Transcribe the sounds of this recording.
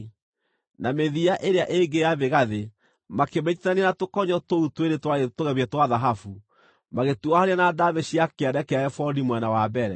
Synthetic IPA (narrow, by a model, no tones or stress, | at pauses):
nameðiaʔeɾeaʔeŋɡejaβeɣaðe | makemet͡ʃi̥tanenatokɔɲɔtoutweɾetwaetoɣɛβɛtwaðaɦafu | maɣetuahaɾeanadaβeɕiakeadɛkɛaɛfɔlimwɛnawabɛɾɛ